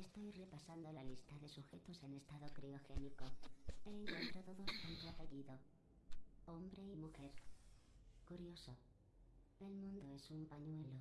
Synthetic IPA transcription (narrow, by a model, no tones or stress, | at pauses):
e̞st̪o̞jre̞pasand̪o̞lalist̪aðe̞suxe̞t̪o̞se̞ne̞st̪aðokɾeoxe̞niko̞eːŋkwent̪ɾot̪oðost̪ant̪oape̞ɣiðo̞ | o̞mbɾe̞imuxe̞ɾ | kuɾjo̞so | e̞lmũnd̪oe̞sumpaɲwe̞lo